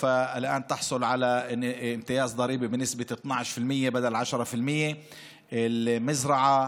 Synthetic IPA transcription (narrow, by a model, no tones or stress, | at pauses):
faɪlʔaːnt̪ɑħsˤʊlʕalaɪmt̪ɪjaːzd̪ˤɑɾiːbibɪnɪsbɪt̪nɑʕʃfɪlmɪjːebad̪alʕaʃɾˤɑfɪlmɪjːe | ɪlmazɾˤɑʕa